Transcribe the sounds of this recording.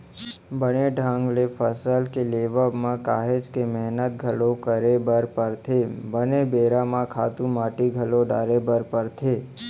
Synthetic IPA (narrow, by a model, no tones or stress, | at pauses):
bəneɖʱãːŋɡlepʰəsəlkeleːʋəbmãkaːɦed͡ʒkemɛɦnət̪̚ɡʱəlokəɾebəɾpəɾt̪ʰebənebeːɾamãkʰaːt̪ũmaːʈiɡʱəloɖa̰ːɾebəɾpəɾt̪ʰe